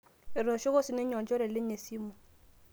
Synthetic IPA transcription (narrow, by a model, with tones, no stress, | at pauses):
e˨ɾo˨ʃo˦ko˦si˦ne˦ɲɔ˨d͡ʒɔ˦ɾɛ˨le˦ɲe˨si˦mu˨